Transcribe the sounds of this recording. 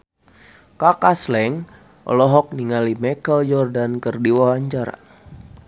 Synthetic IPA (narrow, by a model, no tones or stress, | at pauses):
kakaslɛŋ | ʔɔ̰lɔɦɔk̚niŋalimɛkəljɔrdankərdiwɔɦaɲt͡ʃaɾa̰